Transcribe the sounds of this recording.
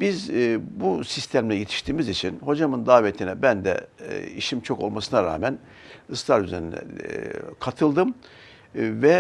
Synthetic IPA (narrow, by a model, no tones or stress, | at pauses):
bizbusist̪ʰæmlʲɛjet̪ʰi̥ʃt̪ʰiːmizit͡ʃʰinho̞d͡ʒamɯnd̪aːvet̪ʰinɛbænd̪ɛ̰iʃimt͡ʃʰo̞ko̞̰lˠmasɯnaɾa̰ːmæn | ɯslˠaɾyzeɾinɛ̰kʰat̪ʰɯlˠd̪ɯm | vɛ